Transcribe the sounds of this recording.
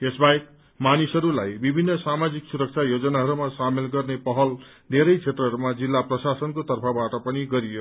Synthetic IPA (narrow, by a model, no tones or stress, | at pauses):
esbaek̚ | manisʌɾulajbibʱinːʌsamad͡ziksuɾʌk̚t͡sʰajod͡zʌnaɦʌɾumasamelɡʌrnepʌɦʌl | d̪ʱeɾʌjt͡sʰet̪rʌɦʌɾumad͡zilːaprʌsasʌnkot̪ʌrpʰʌbaʈʌpʌniɡʌɾijo